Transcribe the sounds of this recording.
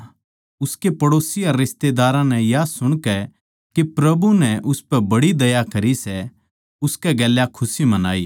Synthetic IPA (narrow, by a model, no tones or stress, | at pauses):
ʊskepɐɽoːsiɐɾːɪst̪ed̪aːɾãnɛjasʊɽ̃kɛ | kipɾɐbunɛʔʊspɛbɐɽid̪ɐjakɐɾisɛ | ʊskɛɡɛːljakʰʊsimɐna̰ːḭː